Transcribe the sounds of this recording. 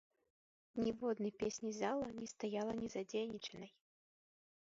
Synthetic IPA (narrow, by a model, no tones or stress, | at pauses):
nʲɛvɔd̪nɨjpʲesʲnʲizalˠɐnʲɛst̪ajalˠɐnʲɛzad͡zʲenʲit͡ʂɛnɐj